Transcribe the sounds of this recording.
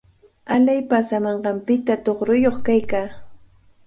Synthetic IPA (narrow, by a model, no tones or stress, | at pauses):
alajpasamɑɴɢɑmpɪt̪at̪oχɾʊjoχkajkaː